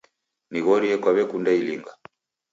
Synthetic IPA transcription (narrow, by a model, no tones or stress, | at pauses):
niɣɔɾiɛkwaβɛkundailiŋɡa